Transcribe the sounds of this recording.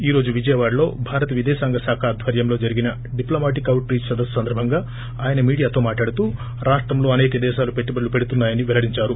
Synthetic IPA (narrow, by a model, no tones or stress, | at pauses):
iːɾo̞ːd͡ʒuʋid͡ʒɐjɐʋaːɽlo̞ːbʱaːɾɐt̪ɐʋid̪ɛːʃaːŋɡɐsaːkʰaːd̪ʱʋɐɾjɐmlo̞ːd͡ʒɐɾiɡinɐ | ɖiploːmaːʈ̬ikːɐwʈɾiːt͡ʃsɐd̪ɐssɐnd̪ɐɾbʱɐŋɡaː | aːjɐnɐmiːɽijaːt̪o̞ːmaːʈlaːɽut̪uː | ɾaːʂʈɾɐmlo̞ːɐne̞ːk̪ɐd̪ɛːʃaːlupe̞ʈːibɐɽlupeɽut̪unːaːjɐniʋɛlɐɽiɲt͡ʃaːɾu